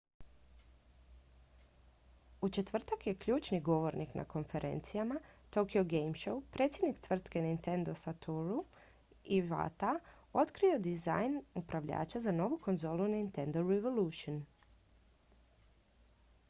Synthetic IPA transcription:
ut͡ʃe̞t̪ʋr̩t̪akje̞kʎʲuːt͡ʃniɡo̞ʋoɾniknʔa̰ko̞nfe̞ɾʔe̞̰nt̪sijamat̪o̞kioɡejmʃowpɾet̪sʲjed̪nikt̪ʋr̩t̪ke̞nint̪e̞nd̪o̞sat̪uɾu | iʋa̰t̪a | o̞t̪kɾio̞d̪iza̰jnupɾaʋʎa̰ːt͡ʃazano̞ʋuko̞nzo̞ːlˠunint̪e̞nd̪oɾeʋoluːʃion

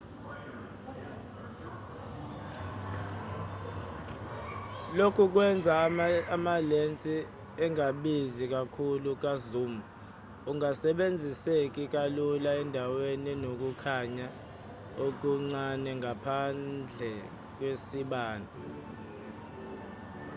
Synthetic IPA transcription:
lokʰuk̬wɛnd͡zʱaamalent͡sʼi | ɛŋaɓizik̬ʼakʰuluk̬azuːmu | uŋasɛɓend͡zʱisek̬ʼik̬alulaɛndʱaweninok̬ukʰaɲa | ok̬uŋ͡ǀanɛŋapʰand͡ɮʱɛ | k̬wesiɓaːnʱa

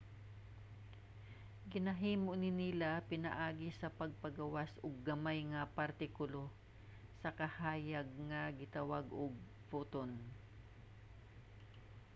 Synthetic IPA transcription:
ɡɪnɐɦiːmoʔnɪnilapɪna̰ʔaːɡɪsɐpɐɡ̚pɐɡawasʔʊɡ̚ːɐmajŋɐpaɾt̪ɪkʊlo | sɐkɐhaːjaɡ̚ŋɐɡɪt̪awaɡʔʊɡ̚ | put̪on

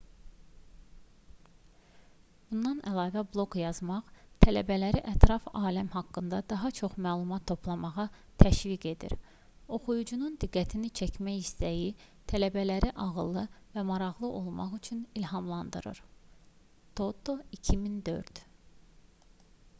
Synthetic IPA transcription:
b̥und̪ɑnæ̰lˠɑːvæblˠo̞ɡjɑzmɑχt̪ʰælæ̰bælæɾiʔæt̪ʰɾɑfɑːlæmɦɑkːɯnd̪ɑd̪ɑɦɑt͡ʃʰo̞χmæːlˠumɑt̪ʰːo̞pʰlˠɑmɑʁɑ | t̪ʰæʃviɡe̞d̪ḭɾ | o̞χujud͡ʒunund̪iɡːæt̪ʰinit͡ʃʰæcʰmæjist̪æjit̪ʰælæbælæɾiʔɑʁɯlˠːɯvæmɑɾɑʁlˠɯʔo̞lˠmɑ̰ʁyt͡ʃʰynilɦɑmlˠɑnd̪ɯɾɯ̰ɾ | t̪ʰo̞t̪ʰoicʰimind̪ø̞̰ɾd̪̥

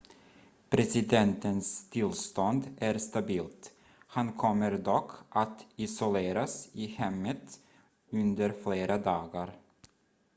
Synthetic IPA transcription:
pʰɾɛsɪd̪ɛnt̪ənst̪ʰɪlst̪ɔnd̪æɾst̪abiːlt̪ | hankʰɔmːəɾd̪ɔkʰːʔat̪ɪsʊleːɾasɪhɛmːət̪ | ɵnd̪əɾfleːɾʔad̪ɑːɡaɾ

